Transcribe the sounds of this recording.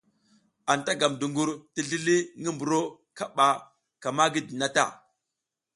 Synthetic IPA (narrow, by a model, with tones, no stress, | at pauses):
a˨nta˦ɡa˨mdu˨ŋɡu˨ɾti˦ɮi˦li˦ŋi˦mbu˨ɾo˦ | ka˦ɓa˨ | ka˨ma˦ɡi˦di˨na˦ta̰˦